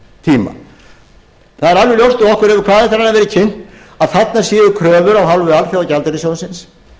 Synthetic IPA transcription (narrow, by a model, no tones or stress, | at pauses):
t̪ʰiːma̰ | θaðɛɾalvɪljowst̪ɔɔhkʏɾɛvʏɾkʰvaːðɛht̪ːaɾanːavɛːɾɪcʰɪn̥t̪ | aðθat̪nḁsjɛːðʏkʰɾœːvʏɾawɦalvʏalfjawacalt̪ɛɾɪsjowðʏsɪns